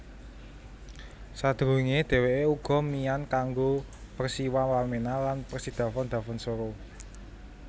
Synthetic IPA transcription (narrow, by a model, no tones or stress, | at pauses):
sad̪̥ɾuiŋed̪̥e̤weʔeuɡ̥ɔ̤mijankaŋɡopərsiwawalmenalanpərsid̪̥ä̤fɔnd̪̥ä̤fɔnsoɾo